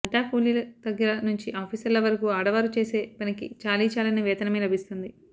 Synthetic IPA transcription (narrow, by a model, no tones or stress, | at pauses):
ɐɖaːpʰuːliːlɐt̪ɐɡːɐɾɐnuɲt͡ʃiʔaːpʰiːsɐɾlːɐʋɐɾɐkuːaːɽɐʋaːɾut͡ʃe̞ːse̞ːpɐnikit͡ʃaːliːt͡ʃaːlɐneʋɛːt̪ɐnɐmɐːlɐbʱist̪und̪i